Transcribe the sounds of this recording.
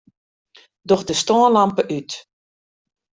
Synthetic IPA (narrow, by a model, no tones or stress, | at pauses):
dɔxdəstɔənlampəʔyt